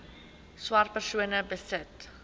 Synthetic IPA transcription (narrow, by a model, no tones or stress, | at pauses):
swɐr̚pərsuənəbəsət